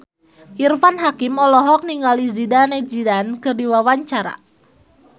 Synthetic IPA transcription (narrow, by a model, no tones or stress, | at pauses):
ʔirfanɦakimɔlɔɦɔk̚niŋɡalizidaned͡ʒidankɨrdiwawaɲt͡ʃaɾa̰